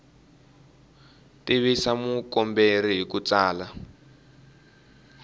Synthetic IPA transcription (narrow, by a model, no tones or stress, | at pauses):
tiβisamukɔmberiɦikut͡saːla